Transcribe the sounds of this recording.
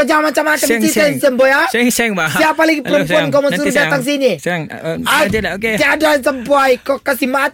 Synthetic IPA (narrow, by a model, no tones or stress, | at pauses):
əd͡ʒamat͡ʃamat̪əsisansəmbɔja | iapaləɡiəɾumpuankɔmansuɾudat̪aŋs̬ini | aiadasəmbuajkɔkasihmat̪̚